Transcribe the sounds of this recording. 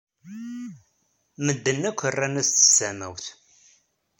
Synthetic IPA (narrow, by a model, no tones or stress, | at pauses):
məd̪ːənːækʷːərːænæst̪ə̥sːæmæ̰wθ